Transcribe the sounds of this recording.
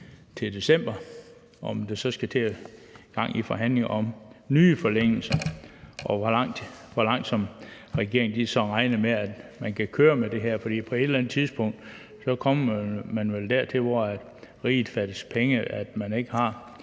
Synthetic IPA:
t͡sʰe̝d̥e̝sem̰b̥ɐ | ɒmd̥esɒ̽sɡ̥æt͡sʰḛːɡ̥ɑ̈ŋ̰ifɒ̽ɦæn̰le̝ŋɒ̽mnyːfɒleŋ̰l̩sɐʔɒ̽ʋɒɑŋ̰d̥ | ʋɒlɑ̈ŋ̰d̥sɒ̽m | ʁɛɡ̥e̝̰ɐ̰e̝ŋ̩d̥isɒ̽ʁɑ̈ɪnəmeæd̥mænkʰækʰøːɐmed̥e̝ɦæɐ̰fɒ̽d̥ḭːpʰɒ̽e̝d̥lænð̩ˠt͡sʰiðˠsb̥ɔ̽ŋ̰d̥ | sɒ̽kʰɒ̽m̰mænʋeld̥æɐt͡sʰe̝lʋɒæd̥ | ʁḭːð̩ˠfæd̥əspʰeŋəæd̥mæne̝ɡ̥əhɑ̈

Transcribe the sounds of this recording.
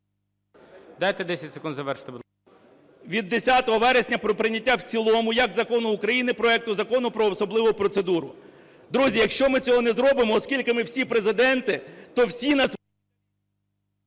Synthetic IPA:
d̪ɑjt̪ɛd̪ɛsʲɐtʲse̥kund̪zɐʋɛɾʃɪ̥t̪eb | ʋʲid̪ːesʲat̪ɔɦɔʋɛɾesʲnʲɐpɾɔpɾɪnʲɐtʲːawt͡sʲilˠɔmʊjɐɡzɐkɔnʊːkɾɐjinɪpɾɔɛk̚t̪ʊzɐkɔnʊpɾɔːsɔblˠɪʋʊpɾɔt̪sed̪uɾʊ | d̪ɾuzʲijɐkʃt͡ʃɔmɪt͡sʲɔɦɔnɛzɾɔbɪmɔːskʲilʲkɪmɪwsʲipɾezɪd̪ɛnt̪ɪt̪ɔwsʲinɑs

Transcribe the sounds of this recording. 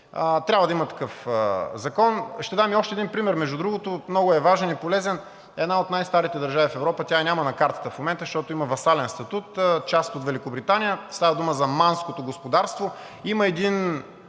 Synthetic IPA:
ət̪ɾʲabvəd̪ɐimət̪ɐ̥kɤfzɐkɔnʃt̪ɛd̪amiɔʃt̪ɛd̪inpɾimɛɾmɛʒud̪ɾuɡot̪omnɔɡʊɛvaʒɛnipolɛzɛn | ɛd̪naot̪najst̪aɾit̪ɛd̪əɾʒavifɛvɾɔpət̪ʲanʲamɐnɐkaɾt̪ə̥t̪əfmomɛnt̪əʃt̪ɔt̪oimɐvɐsalɛnst̪ɐt̪ut̪t͡ʃast̪ot̪vɛlikʊbɾit̪anʲijəst̪avɐd̪uməzɐmanskot̪oɡospod̪aɾst̪vo | iməɛd̪in

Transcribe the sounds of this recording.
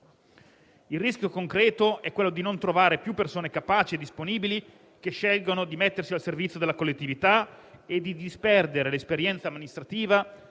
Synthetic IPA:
ilrːiskjokoŋkɾɛːt̪oɛkːwelːod̪inont̪ɾovaːɾepjupːersoːnekapaːt͡ʃied̪ːisponiːbili | k̟eʃːɛlɡonod̪imet̪ːersialservit̪sjod̪elakolːet̪ːivit̪aed̪id̪ispɛrd̪eɾelespeɾjɛnt̪samːinist̪ɾat̪iːva

